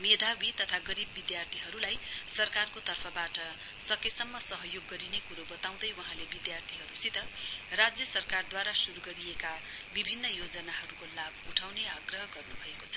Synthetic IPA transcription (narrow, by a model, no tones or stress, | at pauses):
med̪ʱawit̪ʌt̪ʰaɡʌɾibːid̪jart̪ʰiɦʌɾulajsʌrkarkot̪ʌrpʰʌbaʈʌ | sʌkesʌmːʌsʌɦʌjoɡːʌɾinekuɾobʌt̪aw̃d̪ʌjwʌɦãlebid̪jart̪ʰiɦʌɾusit̪ʌrad͡zjʌsʌrkard̪waɾasuɾuɡʌɾijeka | bibʱinːʌjod͡zʌnaɦʌɾukolabuʈʰawneaɡrʌɦʌɡʌrnubʱʌekot͡sʰʌ̥